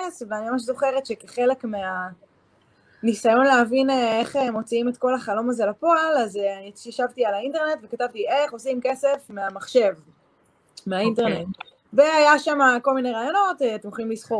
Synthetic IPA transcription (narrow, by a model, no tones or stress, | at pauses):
esveanimamaʃ̬zo̞χe̞ʁet̪ʃekeχe̞le̞kmea | nisajo̞nleɦavineeχemːo̞t͡siimet̪ko̞laχalo̞mazelapoalazeʃjaʃavt̪ialainte̞ʁne̞tve̞katavt̪ieχo̞simke̞se̞fmeamaχʃe̞v | meainte̞ʁne̞t | ve̞ajaʃamako̞lmineʁaːjo̞no̞tːt̪mχimlisχo